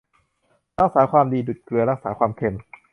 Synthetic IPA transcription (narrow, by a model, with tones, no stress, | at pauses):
ɾa˦˥˩k̚saː˩˦kʰwaː˧mdiː˧du˨˩t̪̚klɯ˧ɐɾa˦˥˩k̚saː˩˦˥kʰwaː˧mkʰe˧m